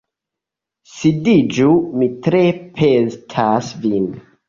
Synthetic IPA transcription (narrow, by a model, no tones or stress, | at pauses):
sidid͡ʒumitɾepʰentʰasvin